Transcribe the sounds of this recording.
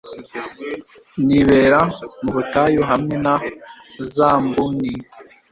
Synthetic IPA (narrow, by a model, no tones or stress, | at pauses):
niβeːɾamuβutajoɦamŋenazaːmbuni